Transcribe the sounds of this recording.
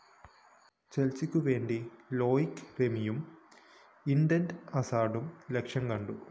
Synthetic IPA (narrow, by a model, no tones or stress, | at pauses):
t͡ɕelt͡ɕːikʲːuʋe̞ːɳɖilo̞ːjikːremijum | iɳɖɐnɖɐsaːɖumlekʂjɐmkɐɳɖu